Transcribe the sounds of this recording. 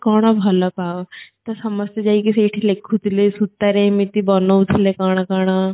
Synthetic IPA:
kaːɽ̃abʱɐlapaːʋt̪ɐsɐməst̪ed͡ʒaːikiseːʈʰilekʰːut̪lesut̪ːaɾemit̪ibɔnout̪ʰlekaːɽ̃akaːɽ̃a

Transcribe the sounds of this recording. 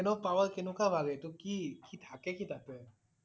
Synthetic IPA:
ɛnɔpawakɛnukabʱaɡɛtʊkikitʰakɛkitʰakɛ

